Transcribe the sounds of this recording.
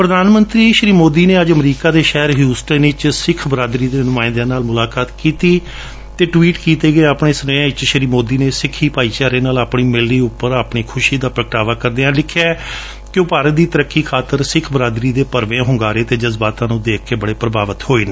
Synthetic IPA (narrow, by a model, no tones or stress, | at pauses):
pɾəd̪aːnmə̃nt̪ɾiːʃɾiːmoːd̪iːneːəd͡ʒəmɾiːkaːd̪eːʃɛːɾɦjuːsʈənɪt͡ʃsɪkʰbɾaːd̪ɾiːd̪eːnʊmaːɪnd̪ãːnaːlmʊlaːkaːt̪kiːt̪iː | t̪eːʈʋiːʈkiːt̪eːɡəeːaːpɳeːsənəãːɪt͡ʃʃɾiːmoːd̪iːneːsɪkʰːiːpaːiːt͡ʃaːɾeːnaːlaːpɳiːmɪlniːʊpːəɾaːpɳiːkʰʊʃiːd̪aːpɾəkʈaːʋaːkəɾd̪eːãːlɪkʰːaː | kɪʊpaːɾət̪̚d̪iːt̪əɾəkːiːkʰaːt̪ːəɾsɪkʰbɾaːd̪ɾiːd̪eːpəɾʋẽːɦʊ̃ŋɡaːɾeːt̪eːd͡ʒəzbaːt̪ãːnũːd̪eːkʰkeːbəɽeːpɾəbaːʋət̪hoːiːnː